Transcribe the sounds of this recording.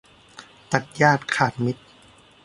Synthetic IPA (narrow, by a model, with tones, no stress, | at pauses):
t̪a˨˩k̪̚jaː˥˩t̪̚kʰaː˨˩t̪̚mi˦˥t̪̚